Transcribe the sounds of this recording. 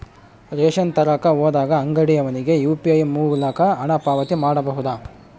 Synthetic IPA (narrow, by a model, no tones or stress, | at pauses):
ɾeːʃɐnt̪ɐɾɐkɐoːd̪aːɡɐːŋɡɐɽijɐʋɐniɡe̞juːpiɐjmuːlɐkɐɐɳɐpaːʋɐt̪imaːɽɐbɐɦud̪aː